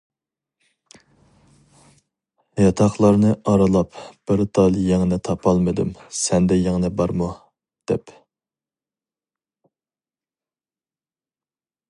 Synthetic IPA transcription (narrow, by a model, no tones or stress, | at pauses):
jɑt̪ʰɑχlˠɑɾnɨʔɑɾɨlˠɑpb̥ɪɾt̪ʰɑlˠjeŋnɪt̪ʰɑpʰɑlˠmɨd̪ɨ̰msɛnd̪ɛjɛŋnɪbɑɾmu | d̪̥ɛ̰p